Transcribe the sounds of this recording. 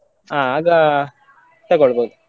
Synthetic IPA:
aːaːɡɐ | t̪ɐɡoɭboːd̪u

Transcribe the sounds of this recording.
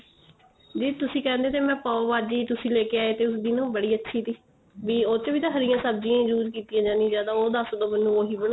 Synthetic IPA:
d͡ʒiːt̪ʊsĩːkɛ̃ːnd̪eːt̪eːmɛ̃ːpaːoʋaːd͡ʒiːt̪ʊsĩːleːkeːaːeːt̪eːʊsd̪iːnõːbəɽiːətːʃʰiːt̪iː | ʋiːoːt͡ʃʋiːt̪ãːɦəɾɪjãːsəbd͡ʒiãːĩd͡ʒuːd͡ʒkiːt̪ijãːd͡ʒãːnĩːzjaːd̪aːoːd̪asod̪ãːmənːũːoːɦiːbəɽ̃a

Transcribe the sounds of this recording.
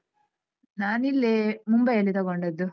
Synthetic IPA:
naːnilːemumbɐjɐlːit̪ɐɣoɳɖed̪ːu

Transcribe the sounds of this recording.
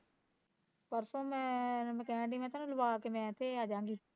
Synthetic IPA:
pəɾsoːmɛ̃ːməkɛ̃ːɳɖiːmɛ̃ːt̪aːnũːləbaːkemɛ̃ːt̪ʰːeːaːd͡ʒãːŋɡiː

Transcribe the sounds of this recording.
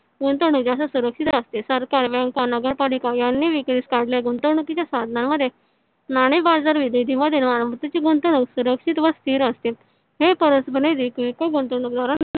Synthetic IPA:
ɡunt̪əɳuk̚d͡ʑasasuɾəkʂit̪əst̪esəɾkaɾʋɛ̃ŋkanəɡəɾpalikajanːiʋikɾiskaɽljaɡunt̪əɳukit͡ɕjasad̪ʱnamːəd̪ʱːje | naɽ̃ebaɾd͡zaɾʋid̪ʱed̪ʱiːməd̪ʱːenʋañmət̪at͡ɕiɡunt̪əɳ̃uksuɾəkʂit̪ʋəst̪iːɾəst̪e | ɦepəɾəsbʱəned̪ikekoɡunt̪əɳuk̚d̪aɾan

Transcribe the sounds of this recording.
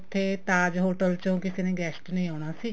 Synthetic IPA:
t̪ʰːeːt̪aːd͡ʒɦoːʈəlt͡ʃõːkɪseːnẽːɡɛːsʈnə̃ĩːɦoːɽ̃aːsiː

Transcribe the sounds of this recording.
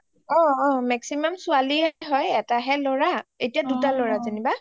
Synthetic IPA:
ɔ̃ɔ̃mɛksimamsʊaliɛɦɔjɛtaɦɛlɔɹaetijadutalɔɹazaniba

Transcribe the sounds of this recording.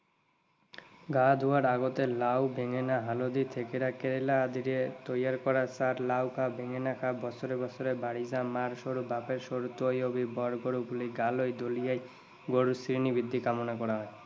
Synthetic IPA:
ɡad̪ʱuaɾaɡot̪elawbʱeŋenaɦalod̪it̪ʰekeɾakeɾelaːd̪iɾet̪ojaɾkɔɾasaɾlawkʰabʱeŋenakʰabɔsʰoɾebɔsoɾebaɽid͡ʑamaɾʃoɾubʱapeɾʃoɾut̪ojobibɔɾɡoɽubuliɡalojd̪olijaj | ɡoɽusɾinibid̪ʱːikamonakɔɾaɦɔe

